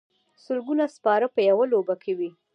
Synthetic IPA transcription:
sʊlɡunaspɑɾəpəjawalobakʰewi

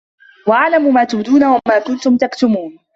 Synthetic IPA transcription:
waʔaʕlamumaːt̪ʊbd̪uːnawamaːkʊnt̪ʊmt̪akt̪ʊmuːn

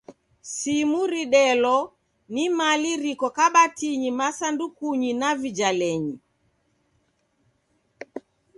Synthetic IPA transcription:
simuɾiɗɛlɔ | nimaliɾikɔkaɓatiɲimasandukuɲinavid͡ʒalɛɲi

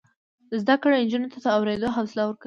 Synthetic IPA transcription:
əzd̪akɽoɪnd͡ʒunot̪ad̪əawɾed̪oɦawsɪlawəɾka

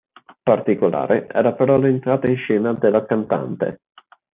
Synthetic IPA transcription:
part̪ikola̰ːɾeʔɛ̰ːɾapeɾɔlent̪ɾaːt̪ainʃɛːnad̪elːakant̪a̰nt̪ḛ

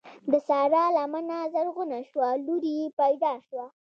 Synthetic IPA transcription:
d̪əsɑɾɑlamanazaɾɣʊnaʃwaluɾijepajd̪ɑʃwa

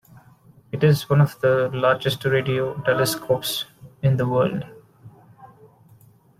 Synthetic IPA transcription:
ɪʈɪzʋʌ̃nɔʋd̪əlaːɾd͡ʒesʈɾeːɖioːʈɛləskʰoːpsɪ̃nd̪əʋəːlɖ

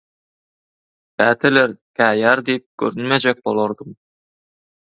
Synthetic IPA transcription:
pæt̪ɘleɾt̪ʰæjæɾd̪ep̚kʲʰɵ̰ɾɪnmæd͡ʒek̚bolˠoɾd̪əm

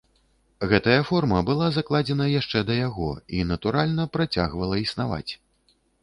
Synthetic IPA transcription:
ɣɛt̪ɐjɐfɔrmɐbɨlˠazaklˠad͡zʲɛnɐjaʂt͡ʂɛd̪ɐjaɣɔ̰inɐt̪uɾalʲnɐpɾat͡sʲa̰ɣvɐlˠɐisnava̰t͡sʲ

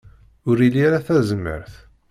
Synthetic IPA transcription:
ʊɾilːiɾaθæzəmːə̰ɾθ

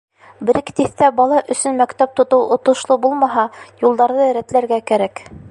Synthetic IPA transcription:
bɘ̆ɾɘkt̪iθt̪æbɑlˠɑʔɵ̆sɵnmækt̪æp̚t̪ŏt̪ɤwʔŏt̪ŏʃlˠɤbulˠmɑɦɑjulˠd̪ɑɾðɤɾæt̪læɾɡækæɾæk

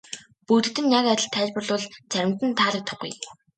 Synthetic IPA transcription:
put̪ɘ̆t̪ɘ̆njakætʲɪ̆ɬt̪ʰæːɮʲpə̆ɮʊɮt͡sæɾʲɪ̆m̥t̪ɘ̆nt̪ʰaːɮə̆k̚t̪ʰʊ̥̆χɡṵj

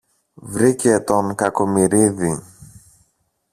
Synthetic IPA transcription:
vɾice̞t̪o̞ŋkɐkomiɾiði

